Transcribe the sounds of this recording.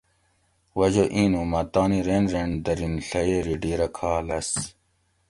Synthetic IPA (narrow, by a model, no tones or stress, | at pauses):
wɐʑoʔiːnomɐt̪aːniɾeːnɾeɳd̪ɐɾinɬɐjeːɾiɖiːɾɐkʰaːlɐs